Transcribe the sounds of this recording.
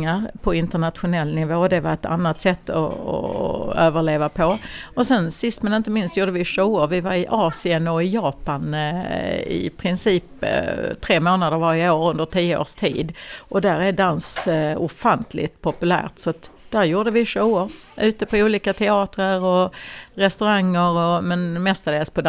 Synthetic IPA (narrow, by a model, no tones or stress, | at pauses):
aɾpʰɔɪnt̪əɳat̪ɧʊnɛlːnɪvoːd̪ɛvaɾɛt̪a̰nːat̪sɛt̪ːɔ̰ɔ̰øːvəɭeːvapʰɔɔsɛnsɪst̪mɛnɪnt̪əmɪnst̪juːɖəvɪʂoːʊɾvɪvaɾɪʔɑːsɪənɔɪjɑːpan | ɪ̰pʰɾɪnsiːpt̪ʰɾeːmoːnad̪əɾvaɾɪəoːɾɵnd̪əʈʰiːəo̰ːʂt̪ʰḭːd̪ʔɔd̪æɾæɖansʊ̰fant̪ʰlɪ̰t̪pʰɔpɵlæ̰ːɾt̪sɔat̪d̥̪æɾjuːɖəvɪʂoːəɾ | ʔʉ̟ːt̪əpʰɔuːliːkat̪ʰɛɑːt̪ɾəɾɔɾɛst̪ɵɾaŋːəɾɔmɛnmɛst̪ad̪eːspɔd̪